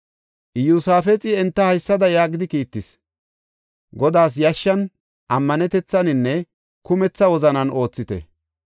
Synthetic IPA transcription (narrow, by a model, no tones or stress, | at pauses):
ʔɪjusaːfɛt͡sʼɪɛnt̪ːɐhɐjsːɐd̪ɐjaːɡɪd̪ɪkiːt̪ːɪs | ɡɔd̪aːs̬jɐʃːɐn | ʔɐmːɐnɛt̪ɛt͡sːɐnɪnːɛ | kʊmɛt͡sːɐwɔzɐnɐno̞ːt͡sːɪt̪ɛ̰